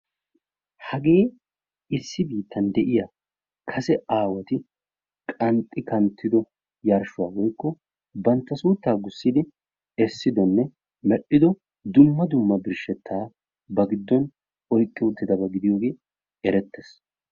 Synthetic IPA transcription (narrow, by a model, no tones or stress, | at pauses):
hɐɡe̞ː | ɪsːɪbiːt̪ːɐnd̪ɛʔɪjɐ | kʰɐsɛʔaːwɐt̪ɪ | kʼɐnt̪ʼːɪkɐnt̪ːɪd̪ɔ | jɐɾʃʊwaːwɔjkːɔ | bɐnt̪ːɐsuːt̪ːaːɡʊsːɪd̪ɪ | ɛsːɪd̪ɔnːɛ | mɛɗːɪd̪ɔ | d̪ʊmːɐd̪ʊmːɐbɪɾʃɛt̪ʰːaː | bɐɡɪd̪ːɔn | ɔjkʼːɪʊt̪ːɪd̪ɐbɐɡɪd̪ɪjo̞ːɡeː | ɛɾɛt̪ːɛs